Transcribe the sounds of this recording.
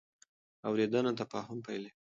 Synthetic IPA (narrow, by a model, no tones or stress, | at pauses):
awɾed̪anat̪apɑɦʊmpajle